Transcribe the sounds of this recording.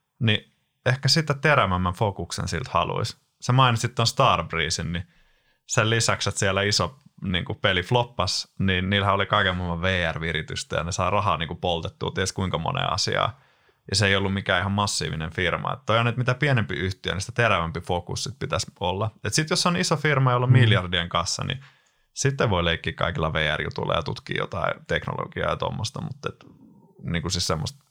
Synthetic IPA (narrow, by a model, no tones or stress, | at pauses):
ni | ehkæsit̪æt̪eɾæmæmːæɱfokuksḛnsḭlt̪hɑ̰lṵis | semɑinissit̪t̪ːonst̪ɑːrbriːsinni | sellisækset̪siælːæisonḭːŋkupeliflopːɑsninniːlhæolikɑikemːɑmːɑʋʋeːærʋirit̪yst̪æ̰jɑ̰nesɑirɑhɑ̰ːniːŋkupolt̪et̪ːṵːt̪ieskuiŋkɑmo̰nḛːɑ̰sḭɑ̰ː | jɑseˑijolːummikæːihɑmmɑsːḭːʋineɱfirmɑ̰ḛt̪ːoihoɑnːet̪mit̪æpienempiyht̪iø̰nisi̥t̪æt̪eɾæʋæmpifokṵssit̪̚pit̪æsolːɑet̪sit̪josːonisofirmɑjolːommiljɑrdieŋkɑ̃sːɑ̰nḭ | sit̪ːeʋʋoileikːiːkkɑ̰ikilːɑʋeːærjṵt̪ṵilːɑ̰jɑt̪ut̪kḭːjo̰t̪ɑit̪ekno̰lo̰ɡ̥iɑ̰ːjɑt̪o̰mːost̪ɑmut̪ːet̪niːŋkusissemːost̪